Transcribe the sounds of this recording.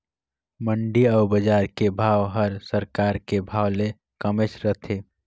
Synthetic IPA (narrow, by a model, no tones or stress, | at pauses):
məɳɖiɔʊbəd͡ʒaːɾkebʱaːwɦəɾsəɾkaːɾkebʱaːwle | kəmet͡ʃɾət̪ʰeː